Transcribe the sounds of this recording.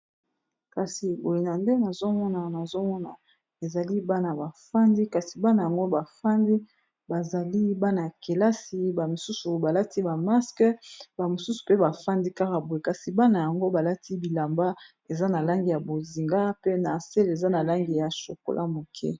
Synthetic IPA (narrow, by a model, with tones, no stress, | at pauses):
ka˨si˨bo˨le˨na˨nde˦na˨zo˦mɔ˦na˨na˨zo˦mɔ˦na˨ | e˨za˨li˦ba˦na˨ba˨fa˦ndi˦ka˨si̥˨ba˦na˨ja˨ŋɡo˦ba˨fa˦ndi˦ | ba˨za˨li˦ba˦na˨ja˨ke˨la˦si˦ba˨mo˨su˦su˨ba˨la˦tʰi˦ba˨ma˦skɛ˦ba˨mo˨su˦su̥˨pe˦ba˨fa˦ndi˦ka˦ka˨bo˨je˨ka˨si˨ba˦na˨ja˨ŋɡo˦ba˨la˦tʰi˦bi˨la˨mba˦ | e˨za˦na˨la˦ŋɡi˨ja˨bo˨zi˨ŋɡa˦pe˦na˨se˦le˨za˦na˨la˦ŋɡi˨ja˨ʃo˨ko̰˨lʔa˦mo˨kʰɛ̰˦